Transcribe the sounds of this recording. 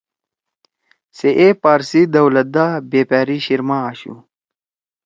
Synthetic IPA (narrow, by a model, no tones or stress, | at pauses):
seʔepaːɾsid̪ɐwlɐt̪̚d̪abeːpaːɾiɕiɾmaaːɕṵ